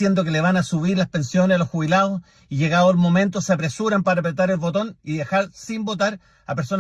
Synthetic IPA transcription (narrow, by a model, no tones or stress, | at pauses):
jend̪o̞ke̞leβanasuβiɾlaspe̞nsjo̞nesalosxuβilaðos | iʝe̞ɣaðolmo̞mẽ̞nt̪oseapɾe̞suɾampaɾapɾet̪aɾelβo̞t̪o̞niðexaɾsimbo̞t̪aɾ | apeɾso̞n